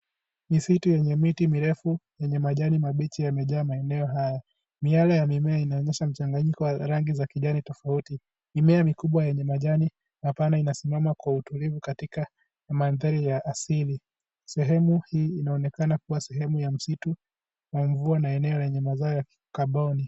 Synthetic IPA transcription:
misitujɛɲɛmitimiɾɛfujɛɲɛmaʄanimaɓit͡ʃijamɛʄaːmaɛnɛɔɦaja | mialajamimɛainaɔɲɛʃam̩t͡ʃaŋɡaɲikɔwaɾaŋɡizakiʄanitɔfauti | mimɛamikuɓwajɛɲɛmaʄani | hapanainasimamakwautulivukatika | manðaɾijaʔːsili | sɛɦɛmuhiːinaɔnɛkanakuwasɛɦɛmujam̩situ | waɱvuanaɛnɛɔlɛɲɛmazaɔjak | kaɓɔni

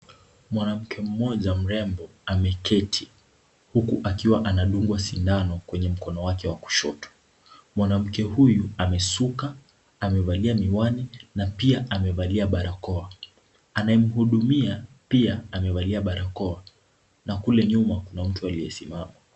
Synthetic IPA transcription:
mwanam̩kʰɛm̩mɔʄam̩ɾɛmbɔ | amɛkʰɛtʰi | hukuʔakiwaʔanaɗuŋɡwasindanɔkwɛɲɛm̩kɔnɔwakɛwaku̥ʃɔtɔ̥ | mwanam̩kɛhujuamɛsuka | amɛvaliamiwaninapiaʔamɛvaliaɓaɾakɔa | anajɛm̩huɗumia | piaamɛvaliaɓaɾakɔa | nakulɛɲumakunam̩tualijɛsimama

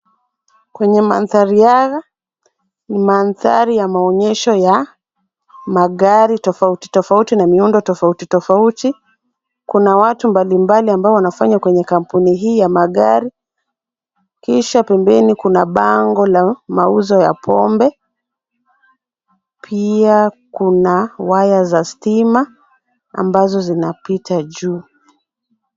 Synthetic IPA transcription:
kwɛɲɛma̰nθaɾijaɣa | nimanθa̰ɾijamaɔɲɛʃɔja | maɠaɾitɔfauti̥tɔfautinamiundɔtɔfautitɔfauti | kunawatumbalimbaliambaɔwanafaɲakwɛɲɛkam̩puniɦiːjamaɠa̰ɾi | kiʃapɛmbɛnikunaɓaŋɡɔlamauzɔja̰pʰɔmbɛ | pʰiakunawajazastima | a̰mbazɔzinapitʰaʄuː

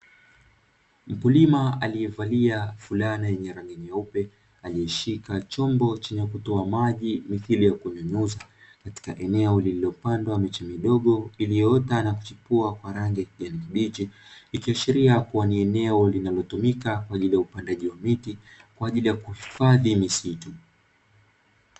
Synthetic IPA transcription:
m̩pulimaalijɛvaliafulanajɛɲɛɾaŋɡiniaupɛ | aliɛʃikat͡ʃɔmbɔt͡ʃɛɲɛkutɔamaʄimiθilijakuɛmɛɲuza | kati̥kaʔɛnɛɔlililɔpandwamɛt͡ʃamiɗɔɠɔilijɔɔtanaku̥t͡ʃipuakwaɾaŋɡiakiɡanikiɓid͡ʒilikiaʃiɾiakuwaniɛnɛɔlinalɔtumikakwaːʄilijaupandaʄiwamitikwaːʄilijakuhifaðimisitu

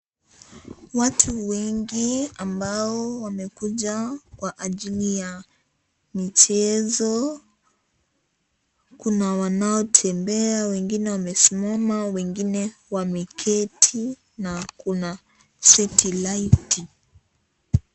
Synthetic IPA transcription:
watʰuwɛŋɡiambaɔwamɛkuʄakwaʔːʄilija | mit͡ʃɛzɔ | kunawanaɔtʰɛmbɛawɛŋɡinɛwamɛsimamawɛŋɡinɛwamikʰɛtʰi | nakuna | sɛtʰilaiti

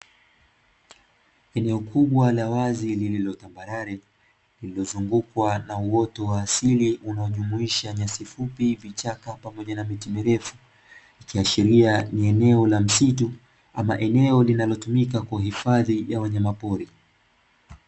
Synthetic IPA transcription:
ɛnɛɔkʰuɓwalawazilililɔtambaɾaɾɛ | lililɔzuŋɡukwanauwɔtɔwaːsiliʔunaɔʄumuiʃaɲasifupivit͡ʃakapamɔʄanamitimiɾɛfu̥ | ikiaʃiɾianiɛnɛɔlam̩situ | ama̰ʔɛnɛɔlinalɔtumik̬akwaɦifaðijawaɲamapɔɾi

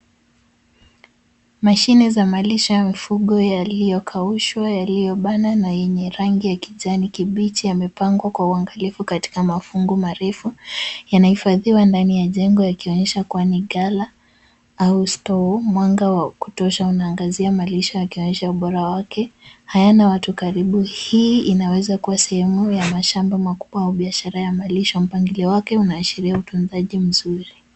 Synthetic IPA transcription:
maʃinizamaliʃajamifuɠɔjalijɔkʰauʃwajalijɔɓananajɛɲɛɾaŋɡijakiʄanikiɓitijamɛpaŋɡwakwauaŋɡalifukati̥kamafuŋɡumaɾɛfujanahifaðiwandanijaʄɛŋɡɔjakiɔɲɛʃakwaniɠala | austɔmwaŋɡawaku̥tɔʃaunaːŋɡaziamaliʃɔjakiɔɲɛʃauɓɔɾawakɛhajanawatukaɾiɓuhiːinawɛzakuwasɛhɛmujamaʃambamakuɓwaauɓiaʃaɾajamaliʃɔm̩paŋɡiliwakɛunaːʃiɾiautunzaʄim̩zuɾi

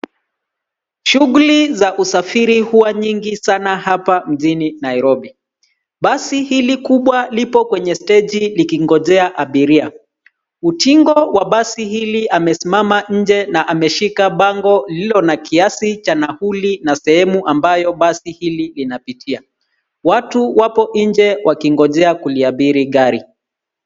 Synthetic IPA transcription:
ʃuɣulizaʔusafiɾihuaɲiŋɡisanahapam̩ʄininaiɾɔɓi | ɓasihilikuɓwalipɔkwɛɲɛstɛd͡ʒilikiŋɡɔzɛaʔaɓiɾia | utiŋɡɔwaɓasihiliʔamɛsimamaɲ̩d͡ʒɛnaʔamɛʃikaɓaŋɡɔlilɔnakiasit͡ʃanahulinasɛhɛmuʔambajɔɓasihililinapitʰia | watuwapɔʔiɲd͡ʒɛwʔakiŋɡɔʄɛakuliaɓiɾiɠaɾi

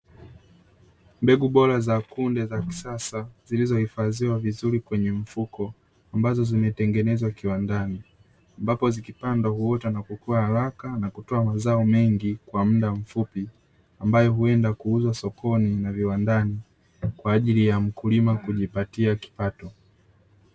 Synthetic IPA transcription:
mbɛɡuɓɔɾazakundɛzaki̥sasaz̥ilizɔhifaziwavizuɾikwɛɲɛm̩fukɔ | ambazɔzimɛtɛŋɡɛnɛzwakiwandani | ambapɔzikipandwahuɔtanakukuahaɾakanakutɔamazaɔmɛŋɡikwam̩ɗaɱ̩fupi | ambajɔɦuɛndakuuzwasɔkɔninaviwandani | kwaːʄilijam̩kulimakuʄipatiaki̥patɔ

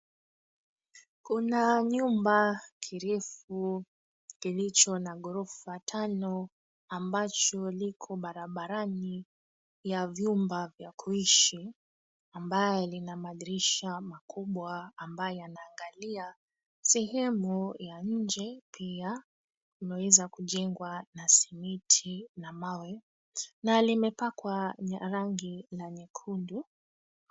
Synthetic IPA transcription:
kunaɲumbakʰiɾɛfu | kilit͡ʃɔnaɠɔɾɔfatʰanɔ | ambat͡ʃɔlikʰɔɓaɾaɓaɾani | javjumbavjakʰuiʃi | ambajɔlinamaɗiɾiʃamakuɓwaːmbajɔjanaːŋɡalia | sɛɦɛmujaɲ̩d͡ʒɛpia | umɛwɛzakuʄɛŋɡwanasimitʰinamawɛ | nalimɛpakwaɾaŋɡilaɲɛkʰundu

